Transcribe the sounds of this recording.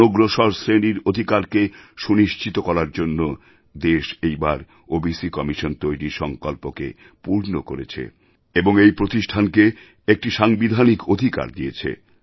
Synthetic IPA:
oɡɾoʃɔɾsɾeniɾod̪ʱikaɾkeʃuniʃt͡ɕit̪okɔɾaɾd͡ʑonːo | d̪eʃejbaɾ | obisikɔmiʃont̪ojɾiʃɔŋkɔlpokḛ | puɾnokoɾet͡ɕʰḛ | eboŋejpɾot̪iʃʈʰanke | ek̚ʈiʃaŋbid̪ʱanikod̪ʱika̰ɾd̪iet͡ɕʰḛ

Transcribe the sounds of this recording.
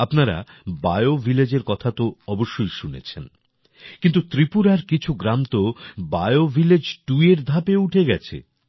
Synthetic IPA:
apnaɾa̰baeovʱiled͡ʑeɾkɔt̪ʰat̪oɔboʃːojʃunḛt͡ɕʰen | kint̪ut̪ɾipuɾaɾkit͡ɕʰuɡɾamt̪obaeovʱiled͡ʑʈueɾd̪ʱapeuʈʰeɡɛt͡ɕʰḛ

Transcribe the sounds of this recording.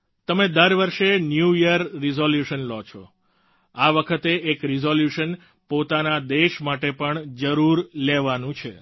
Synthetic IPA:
t̪əmed̪əɾʋəɾʃenjuijəɾːizoljuʃənlɔt͡ʃʰo̰ | aʋəkʰət̪eʔːkɾizoljuʃən | pot̪anad̪eʃmaʈepəɳd͡ʒəɾuɾleʋanũt͡ʃʰḛ

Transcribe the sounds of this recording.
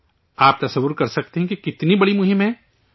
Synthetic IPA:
aːp̚t̪ɐsəwːʊɾkɐɾsɐk̚t̪eɦɛ̃kikɪt̪nibɐɽimʊɦɪ̃mɦɛ̃ː

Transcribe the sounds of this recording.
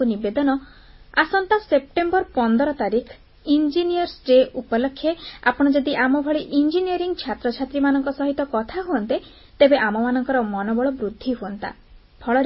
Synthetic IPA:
unibed̪ɔnɔ | asɔnt̪asep̚ʈembɔɾpɔnd̪ɔɾɔt̪aɾikʰ | ind͡ʒiniɔɾsɖeʔupɔlokʰːjea̰pɔɽ̃ɔd͡ʒɔd̪iʔamɔbʱɔɭeʔind͡ʒiniɔɾiŋt͡ʃʰat̪ɾɔt͡ʃʰat̪ɾimanɔŋkɔsɔɦit̪ɔkɔt̪ʰaɦuɔnt̪e | t̪ebeʔamɔmanɔŋkɔɾɔmɔnɔbɔɭɔbɾud̪ʱːiɦuɔnt̪a̰ | pʰɔɭɔɾ

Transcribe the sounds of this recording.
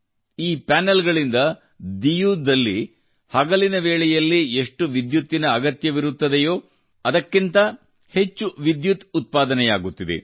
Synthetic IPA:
iːpaːnɐlɡɐɭind̪ɐ | d̪ijuːd̪ɐlːi | hɐɡɐlinɐʋe̞ːɭɛjɐlːie̞ʂʈuʋid̪jut̪ːinɐːɡɐt̪jɐʋiɾut̪ːɐd̪ejoː | ɐd̪ɐkːint̪ɐ | he̞t͡ʃːuʋid̪jut̪ut̪̚paːd̪ɐnɛjaːɡut̪ːid̪ḛ

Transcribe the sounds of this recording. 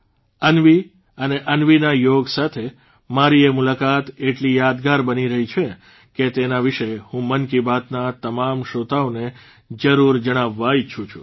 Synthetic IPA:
ənʋi | əneʔənʋinajoɡsat̪ʰe | maɾiemulakat̪eʈlijad̪ɡaɾbəniɾəɦit͡ʃʰe | ket̪enaʋiʃehũmənkibat̪nat̪əmamʃot̪aone | d͡ʒəɾuɾd͡ʒəɽ̃aʋːait͡ʃʰũt͡ʃʰu

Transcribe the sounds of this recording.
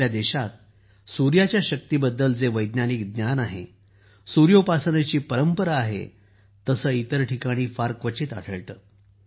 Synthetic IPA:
jad̪eɕat̪̚ | suɾjat͡ɕjaɕək̚t̪iːbəd̪ːəld͡zeʋəjd̪naniːkd̪njanaɦḛ | suɾjopasənet͡ɕiːpəɾəmpəɾaːɦḛ | t̪əsəːit̪əɾʈʰikaɽ̃iːfaɾkʋət͡ɕiːt̪a̰ʈʰəɭt̪əː

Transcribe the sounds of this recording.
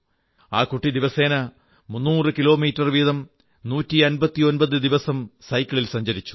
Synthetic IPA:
aːkuʈːid̪iʋɐse̞ːnɐ | munːuːrɨkilo̞ːmiːtːɐrʋiðɐm | nuːtːiɐnbɐt̪ːio̞nbɐðɨd̪iʋɐsɐmsɐjkʲːɐɭilsɐɲd͡ʑɐɾit͡ɕːu̥

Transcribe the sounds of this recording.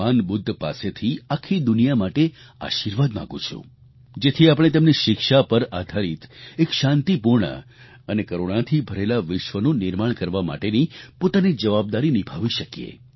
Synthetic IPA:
anbʊd̪ʱːpa̰set̪ʰiakʰːid̪ʊnijamaʈe | a̰ʃiɾʋad̪mã̰ɡṵ̃t͡ʃʰṵ̃ | d͡ʒet̪ʰiapɽ̃et̪əmniʃɪkʃapəɾad̪ʱaɾit̪ekʃãnt̪ipuɾɳə̰ | ənekəɾoɽ̃at̪ʰibʱəɾelaʋɪʃʋənũnɪɾmaɳkəɾʋama̰ʈenipot̪anid͡ʒəʋab̚d̪aɾinibʱaʋiʃəkjḛ

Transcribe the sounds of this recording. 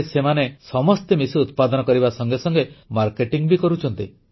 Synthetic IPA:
semanesɔmɔst̪emisut̪̚pad̪ɔnɔkɔɾibasɔŋɡesɔŋɡemaɾkeʈiŋbikɔɾut͡ʃʰɔnt̪i

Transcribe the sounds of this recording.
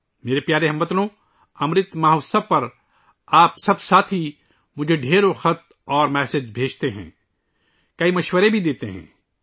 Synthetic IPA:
meːɾepjaːɾeɦɐmbət̪lõ | ɐmɾɪt̪maɦoːsəpɐɾ | aːpsɐbsaːt̪ʰi | mʊd͡ʒʱeɖʱeːɾoxɐt̪ | ɔːɾmɛːsed͡ʒbʱeːd͡ʒt̪eɦɛ̰̃ː | kɐimɐʃwəɾebʱid̪eːt̪eɦɛ̰̃ː

